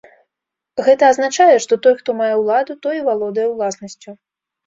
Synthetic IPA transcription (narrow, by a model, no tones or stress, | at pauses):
ɣɛt̪ɐːznat͡ʂajɛʂt̪ɔt̪ɔjxt̪ɔmajɛwlˠad̪ut̪ɔjivalˠɔd̪ɐjɛwlˠasnɐsʲt͡sʲu